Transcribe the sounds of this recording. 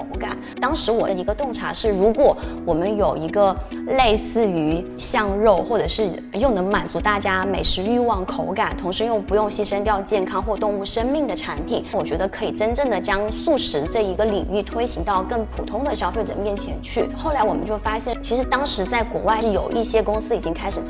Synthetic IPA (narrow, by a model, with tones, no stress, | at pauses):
o˧˥ʊka̰˨˩˦nt̪ɑ˥ŋʂɻ̩˧˥wɔ˨˩i˧˥ɡə˧t̪ʊ˥˩ŋʈ͡ʂʰa̰˧˥ʂɻ̩˥˩ɻu˧˥kwɔ˨˩˦wɔ˨˩mə˧˦njo˨˩ʊi˧˥ɡə˧le˥˧ɪsɹ̩˥˩y˧˥ | ɕjɑ˥˧ŋɻo˥˩ʊxwɔ˥˩ʈ͡ʂɤ˨˩ʂɻ̩˥˧ | jo˥˩ʊnɤ˧˥ŋma˨˩nt͡su˧˥t̪a˥˩t͡ɕja˥me˨˩ɪʂɻ̩˧˥y˥˧wɑ˥˩ŋkʰo˧˥ʊka˨˩nt̪ʰʊ˧˥ŋʂɻ̩˧˥jo˥˩ŋpu˧˥jʊ˥˧ŋɕi˥˧ʂə˥nt̪jɑ˥˧ʊt͡ɕjɛ˥˩nkʰɑ˥ŋxwɔ˥˧t̪ʊ˥˧ŋu˥˩ʂə˥ŋmi˥˩ŋd̪ə˩ʈ͡ʂʰa˧˥npʰi˨˩˦nwɔ˨˩t͡ɕɥɛ˧˥d̪ə˧kʰɤ˧˥i˨˩ʈ͡ʂə˥nʈ͡ʂɤ˥˩ŋd̪ə˩t͡ɕjɑ˥ŋsu˥˩ʂɻ̩˧˥ʈ͡ʂɤ˥˩i˧˥ɡə˧li˨˩ŋy˥˩t̪ʰwe˥ɪɕi˧˥ŋt̪ɑ˥˧ʊkə˥˩ŋpʰu˨˩t̪ʰʊ˥ŋd̪ə˨ɕjɑ˥ʊfe˥˩ɪʈ͡ʂə̰˨˩mjɛ˥˩nt͡ɕʰjɛ˧˥nt͡ɕʰy˥˩xo˥˩la˧˥ɪwɔ˨˩mə˦t͡ɕjo˥˩ʊfa˥ɕjɛ˥˩nt͡ɕʰi˧˥ʂɻ̩˧˥t̪ɑ˥ŋʂɻ̩˧˥t͡sa˥˩ɪkwɔ̰˧˥wa˥˩ɪʂɻ̩˥˩jo˨˩ʊʔi˥˩ɕjɛ˥kʊ˥ŋsɹ̩˥i˨˩t͡ɕi˥ŋkʰa˥ɪʂɻ̩˨˩